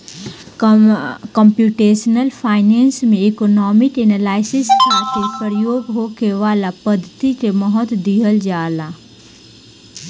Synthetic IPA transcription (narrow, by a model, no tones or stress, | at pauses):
kɔmpjuʈesnəlpʰaːɪnensmẽekonɔmɪkenalaːɪsɪskʰaːt̪ʰepəɾjoːɡɦokeʋaːlapəd̪ʱːət̪ikeməɦət̪d̪iɦəld͡ʒaːla